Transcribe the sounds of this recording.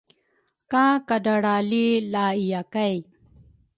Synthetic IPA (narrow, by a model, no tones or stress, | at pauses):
kãːkɐɖɐɽaːlilaːijakaj